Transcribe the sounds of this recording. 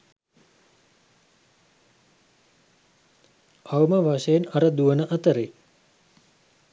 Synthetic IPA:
awməʋaʃəjenɐɾəd̪uʋənəʔɐt̪əɾe

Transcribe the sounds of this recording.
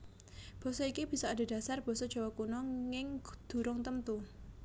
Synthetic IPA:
b̥ɔ̤sɔikib̥i̤sɔada̤d̥asarb̥ɔ̤sɔd̥ʒ̥a̤wakunɔŋɪŋd̪̥ṳɾʊŋt̪əmt̪u

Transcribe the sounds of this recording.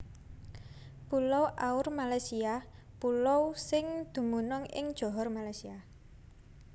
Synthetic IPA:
pulowʔaʊrmalajsia | pulowsɪŋd̪̥ṳmunʊŋɪ̰ŋd̥ʒ̥ɔ̤ɦɔrmalajsiah

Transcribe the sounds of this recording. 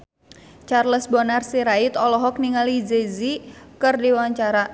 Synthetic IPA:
t͡ʃarləsbɔnarsiɾait̪ɔlɔɦɔk̚niŋalid͡ʒezikɨrdiwaɲt͡ʃaɾa

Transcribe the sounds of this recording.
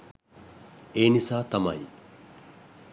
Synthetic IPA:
eːnisaːt̪ɐmɐ̰j

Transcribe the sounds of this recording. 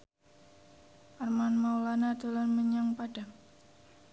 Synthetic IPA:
ʔarmanmawlanad̪̥o̤lanməɲaŋpaɖ̥aŋ

